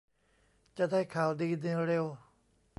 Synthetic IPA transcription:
t͡ɕa˧˨daː˥˩jkʰaː˨˩˦wdiː˧ne˧ɾe˧w

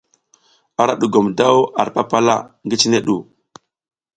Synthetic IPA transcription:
a˦ɾa˦ɗu˨ɡo˨mda˦wa̰˨ɾpa˦pa˦la̰˦ŋɡi˦t͡ʃi˦ne˦ɗu˨

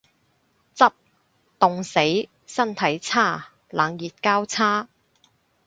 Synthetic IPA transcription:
t͡sɐ˥p̚ | t̪ʊ˨ŋse˨˥j | sɐ˥nt̪ʰɐ˨˥jt͡sʰaː˥˩ | la̰ː˨˧ŋjiː˨t̚kaː˥wt͡sʰaː˥

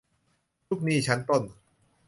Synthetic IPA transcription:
t͡ɕu˦˥˩k̚niː˥˩t͡ɕʰa˦˥npo˥˩n

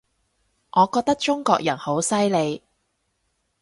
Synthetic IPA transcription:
ʔɔː˨˧kɔː˧k̚t̪ɐ˥k̚t͡ʃʊ˥ŋkɔ̰ː˧k̚jɐ˨˩nho˨˥wsɐ˥jle˨˧j

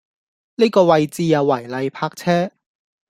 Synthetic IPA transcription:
niː˥kɔː˧wɐ˧jt͡siː˧jɐ˨˧wːɐ˨˩jlɐ˨˧jpʰaː˧k̚t͡sʰɛː˥

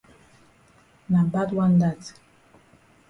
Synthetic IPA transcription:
na˨ba˦twa˦nda˦˨t

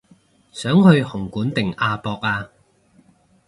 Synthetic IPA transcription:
sœː˨˥ŋhɵ˧ɥhʊ˨˩ŋkuː˨˥nt̪ɪ˨˩ŋaː˧pɔː˧k̚aː˧

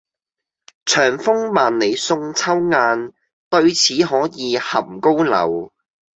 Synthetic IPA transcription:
t͡ʃʰœː˨˩ŋfʊ˥ŋmaː˨nle˨jsʊ˧ŋt͡sʰɐ˥wŋaː˧n | t̪ɵ˧ɥt͡sʰiː˨˥ɦɔː˨˥jiː˨˧hɐ˨˩mko˥wlɐ̰˨˩w

